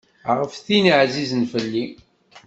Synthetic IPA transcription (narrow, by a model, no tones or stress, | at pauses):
ʁəfθiniʕzizənfəlːi